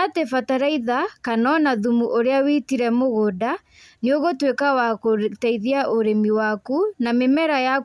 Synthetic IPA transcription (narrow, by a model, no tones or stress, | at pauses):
atefataɾaiðakanɔnaðumuʔoɾeawitiɾɛmoɣoda | neoɣotwekawakotɛiðiaʔoɾemiwakunamemɛɾaja